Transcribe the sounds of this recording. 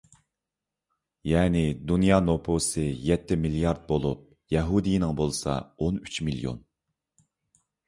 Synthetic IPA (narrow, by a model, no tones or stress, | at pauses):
jɛːnɪd̪unjɑːnopʰosɨjɛt̪ʰːɪmilijɑɾd̪̚bolˠup̚ | jɛɦud̪ijinɪŋbolˠsɑ̰onyt͡ʃmiljo̰n